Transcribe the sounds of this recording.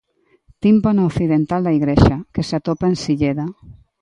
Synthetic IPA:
t̪imponookθiðent̪ald̪aiɣɾeʃakesat̪opaensiʎeða

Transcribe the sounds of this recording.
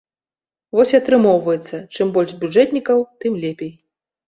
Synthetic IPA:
vɔsʲiɐt̪ɾɨmɔwvɐjɛt̪sːɐt͡ʂɨmbɔlʲʐzbʲuʐɛt̪ʲnʲikɐwt̪ɨmlʲɛpʲej

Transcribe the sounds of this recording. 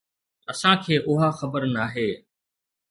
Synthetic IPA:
ɐsãkʰeːʔʊɦaxəbəɾnaːɦeː

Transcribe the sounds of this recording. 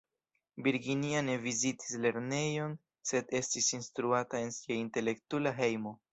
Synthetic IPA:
biɾɡiniane̞viziti̥sle̞ɾne̞jo̞n | se̞de̞stisinstɾuatae̞nsiainte̞le̞ktulaɦe̞jmo̞

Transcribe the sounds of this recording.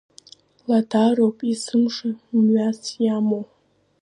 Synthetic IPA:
latʰaropʼisɨmʂamɥasjamo

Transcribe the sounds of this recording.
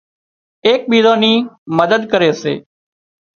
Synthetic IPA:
eːk̚ɓiːzõːniːməd̪əd̪kəɾeːsḛː

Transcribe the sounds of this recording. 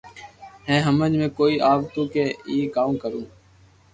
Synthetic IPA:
ɦɛ̃ːɦəməd͡ʒmẽːkoːiːʔaːbt̪ũːkeːiːkaːmkəɾũː

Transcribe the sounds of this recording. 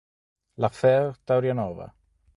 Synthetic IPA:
lafɛrd̪̥awɾjanɔva̰

